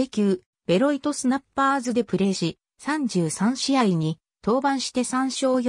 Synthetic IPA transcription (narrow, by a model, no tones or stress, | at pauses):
ekʲɨː | b̥e̞ɾo̞it̪o̞sɨnapːaːzɨd̪e̞pɯ̟ɾe̞ːɕi | sãɲd͡ʑɨːsãɰ̃ɕiaiɲ̟i | t̪o̞ːbãɰ̃ɕi̥t̪e̞sãɰ̃ɕo̞ːj